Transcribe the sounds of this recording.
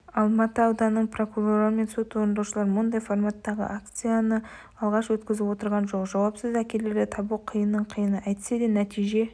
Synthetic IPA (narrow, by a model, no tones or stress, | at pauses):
ɑlˠmɑt̪əɑwd̪ɑnːəɴpʰro̞kuro̞ɾoɾəme̞nso̞t̪wo̞ɾnd̪ɑwʃəlˠɑɾmʊnd̪ɑjformat̪ːɑʁə̰ʔak̚t̪sɨjanə | ɑlˠʁɑʃwɵt̪kʲɪzɪpwo̞t̪əɾʁɑnʒo̞qʒɑwɑpsəzækʲe̞le̞ɾdɪt̪ʰɑbuqʰəjənːəɴqʰəjənəʔɑjt̪ə̥sed̪enæt̪ʰijʒe̞